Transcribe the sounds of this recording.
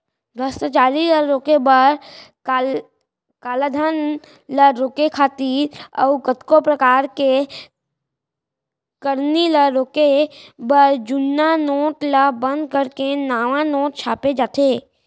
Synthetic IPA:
b̪ɾəst̪at͡ʃaːɾiləɾoːkebəɾ | kaːlad̪ʱən | ləɾoːkekʰaːt̪iːɾə̰ʊkət̪kopɾəkaːɾke | kəɾniləɾoːkebəɾd͡ʒʊnːanoːʈləbə̃nd̪̚kəɾkenaːʋãnoːʈ̚t͡ʃʰaːped͡ʒaːt̪ʰeː

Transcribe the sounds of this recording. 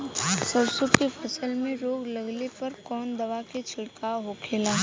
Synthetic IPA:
səbsʊkefʰɐsəlmẽɾoːɡlɐɡlepɐɾkɔːnd̪ɐʋaket͡ʃʰɪɽkaɦokʰeːlaː

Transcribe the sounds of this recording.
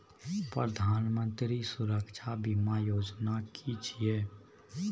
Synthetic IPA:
pɾəd̪ʱaːnmə̃nt̪ɾisʊɾəkʃʰabimajoːd͡ʒnakʰit͡ʃʰieː

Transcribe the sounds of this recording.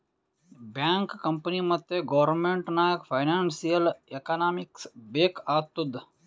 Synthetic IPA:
bjaːŋkːɐmpənimɐd̪jeɡoʋəɾnmeɳʈnaːkfajnaːnsijəlekaːnaːmiksbeːkaːt̪ud̪

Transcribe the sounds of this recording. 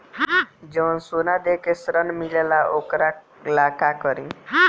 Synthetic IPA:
d͡ʒənsunad̪ekesɾənmilelaʔokɾa | lakakəɾĩ

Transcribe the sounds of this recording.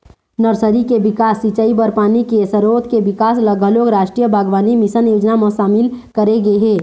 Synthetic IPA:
nəɾsəɾikeʋɪkaːsːit͡ʃəibəɾpaːnikesəɾoːt̪ʰkeʋɪkaːsləɡəɦloːɡɾaːʃʈɾijəbʱaːɡʋaːnimɪsənjoːd͡ʒnamə̃ʃaːmɪlkəɾeɡeɦɛ̃ː

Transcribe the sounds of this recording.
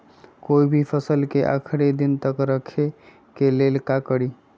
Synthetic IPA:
koibʱipʰəsəlkeʔə̰kʰɾed̪int̪əkɾəkʰe | kelelkakəɽi

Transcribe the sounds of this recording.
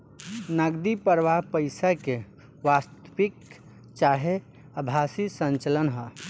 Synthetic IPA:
nəɡd̪ipəɾʋaɦpəɪsake | ʋast̪pik | t͡ʃaɦe | əbʱasisə̃ɲt͡ʃələnɦə

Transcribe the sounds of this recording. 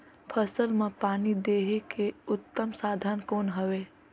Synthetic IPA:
pʰəsəlmẽpaːnid̪eːɦekeʊt̪ːəmsaːd̪ʱənkoːnɦəʋe

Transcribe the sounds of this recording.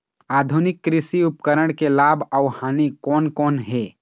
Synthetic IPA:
aːd̪ʱunɪkːɾɪsiʊpkəɾəɽ̃kelaːbʱəʊhaːnikɔːnkɔːnɦɛ

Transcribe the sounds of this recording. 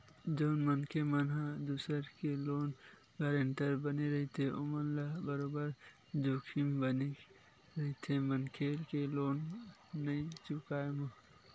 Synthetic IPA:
d͡ʒoʊnmənkʰemənɦad̪usəɾkeloːn | ɡəɾẽnt̪əɾbəneɾɐɦit̪ʰeʊmənlaɦbəɾoːbəɾ | d͡ʒoːkʰimbəne | ɾɐɦit̪ʰemənkʰeːlkeloːnːɐĩt͡ʃʊkaːemɐ

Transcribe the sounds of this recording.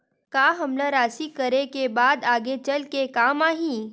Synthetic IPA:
kaːɦɐmlaɾaːsikɐɾekebaːd̪aːɡet͡ʃɐlkekaːmaːɦĩː

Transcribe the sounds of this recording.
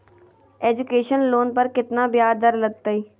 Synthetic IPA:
ɛːd͡ʒʊkeːʃənloːnpəɾkɪt̪naːbjaːd̪əɾləɡ̚t̪aːiː

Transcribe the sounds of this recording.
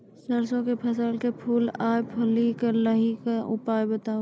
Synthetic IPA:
səɾsõkepʰɐs̬əlkepʰuːlaːjepʰɐlikɐləɦikaʔʊ̰paːjbət̪ãː

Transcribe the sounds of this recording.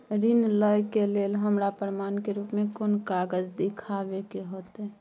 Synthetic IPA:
ɾinləjkeleːlɦəmɾapɾəmankeɾuːpmekonkaɡəd͡ʒd̪ikʰabekeɦot̪e

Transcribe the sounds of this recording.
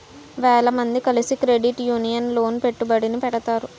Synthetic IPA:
ʋɛːɭɐmɐnd̪ikɐlisikɾe̞ɖiʈjuːnijɐnlo̞ːnpe̞ʈːubɐɽinipɛʈɐt̪aːɾu

